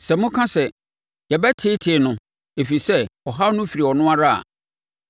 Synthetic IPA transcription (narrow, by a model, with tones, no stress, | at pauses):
sɛ˨mʊ̃˦kʰã˦sɛ˨ | jɛ˨bɛ˦tʰɪ˦tʰɪ˨˦nʊ̃˨ | e˨fi˨sɛ˦ɔ˨ɦa˦nʊ̃˦fi˨ɾi˨ɔ˨nʊ̃˦a˦ɾa˦a̰˨